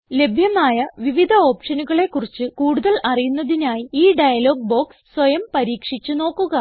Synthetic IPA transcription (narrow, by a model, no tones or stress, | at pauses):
le̞bʱjɐmaːjɐʋiʋid̪ʱɐo̞ːpʂɐnuɣɐɭe̞kːurit͡ɕːɨkuːɽuðɐlɐrijunːɐðinaːjiiːɖɐjɐlo̞ːɡ̚bo̞ːkssʋɐjɐmpɐɾiːkʂit͡ɕːuno̞ːkːuɣɐ